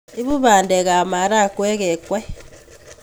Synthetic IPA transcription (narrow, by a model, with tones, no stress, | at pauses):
i˦βu˦βaː˨ndɛ˨ɣa˨ma˨ɾa˦kwɛ˦ɣɛ˨kwɛ˦